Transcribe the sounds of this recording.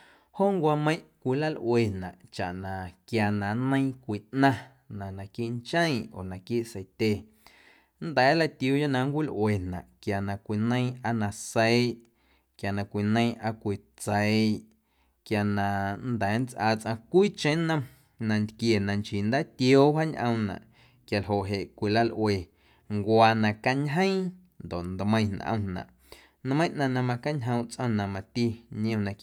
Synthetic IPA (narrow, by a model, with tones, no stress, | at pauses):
ho˦˨ŋkʷa˧mə̃˧˦j̃ʔkʷi˧la˦˨lʔwe˧˨nã̰˨ʔt͡ʃa˨ʔnã˨kja˧nã˨nə̃˦j̃kʷi˨ʔnã˦ | nã˨nã˨kiː˦ʔnt͡ʃə̃˦ĩ˧˨o̰˨nã˨kiː˦ʔsə˧jt̪ʲe˧ | nd̪ɛː˨˦la˧t̪jo˧jo˦nã˧ŋkʷi˦˨lʔwe˨nnã̰˨ʔkja˨nã˧kʷi˨nə̃˦j̃ʔa˧nã˧sə˧˦ʔ | kja˨nã˨kʷi˨nə̃˦˧ĩ˧ʔa˧kʷi˨ | t͡sə˨ʔ | kja˧˨nã˧nd̪ɛː˨˦nt͡sʔaː˧˨t͡sʔã˧kʷiː˦t͡ʃẽ˦nə̃˧m | nã˧nd̪kje˨nã˧nt͡ʃi˨nd̪aː˦t̪jo˦wa˦ɲʔə̰̃˧wnã̰˨ʔ | kja˨lɦo˨ʔɦe˨ʔkʷi˨la˦lʔwe˨ | ŋkwaː˧nã˧ka˧ɲɦə̃˦j̃ | nd̪o˨ʔnd̪mə̃˧j̃nã̰˨ʔə̰̃˧nã̰˨ʔ | nmə̃˦j̃ʔnã˧nã˧mã˧ka˦ɲɦə̃˧w̃t͡sʔə̃˧nã˨mã˧t̪i˦ɲ̃˦õ˧nã˧